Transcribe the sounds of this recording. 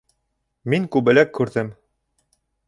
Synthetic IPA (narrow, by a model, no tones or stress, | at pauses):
miŋkʉβɘ̆lækːʉɾðɘm